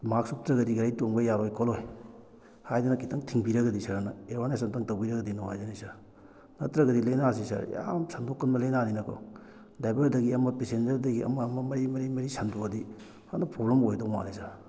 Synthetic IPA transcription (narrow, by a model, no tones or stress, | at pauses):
mak̚sup̚tɾɐɡɐdiɡɐɾajtoŋbɐjaɾojkʰɔloj | hajdunɐkʰitɐŋtʰiŋbiɾɐɡɐdisɐɾɐnɐewanasɐntɐŋtawbiɾɐɡɐdinoha̰jzanisɐɾ | nɐtɾɐɡɐdilejnas̬isɐ̰ɾja̰msɐndokːɐnmɐlejnaninɐkʰo̰ | dajbɐɾdɐɡiɐmɐpesend͡ʒɐɾdɐɡiʔɐ̰mɐmɐmɐɾimɐɾimɐɾisɐndoɐdi | hanɐpɾoblemojdoma̰nesaɾ